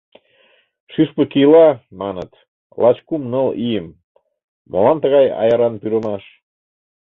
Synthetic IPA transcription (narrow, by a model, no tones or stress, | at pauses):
ʃyʃpəkilɑmɑnə̰t̪ | lɑt͡ɕkumnəlijəm | mo̰lɑmt̪əɣɑjɑ̰jɑɾɑnpyɾə̆mɑʃ